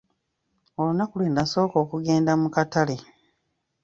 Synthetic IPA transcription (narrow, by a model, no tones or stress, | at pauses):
o̞lunakulweːndaso̞ːkoːkuɡe̞ːndamukatale̞